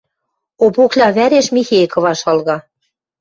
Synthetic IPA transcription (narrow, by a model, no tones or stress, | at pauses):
opoklʲɑβæɾeʃmʲixejkɤ̆βɑʃɑlɣɑ